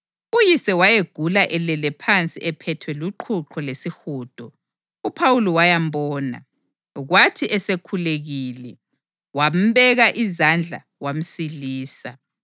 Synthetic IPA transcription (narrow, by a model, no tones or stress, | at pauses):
ujisɛwajeɡ̥ʱulaʔɛlɛlɛpʰant͡sʼiʔɛpʰɛtʰwɛluǃʰuǃʰɔlesixuːd̥ʱɔ | upʰawulɔwajambɔːna̰ | ɣwatʰiʔɛsekʰuleɣilɛ | wam̩βɛɣaʔizand͡ɮʱa̰ | wam̩siliːsa